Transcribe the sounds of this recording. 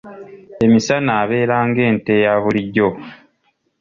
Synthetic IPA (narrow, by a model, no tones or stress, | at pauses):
e̞misanaːβe̞ːɾaːŋɡe̞ːnte̞jaβuliɟːo̞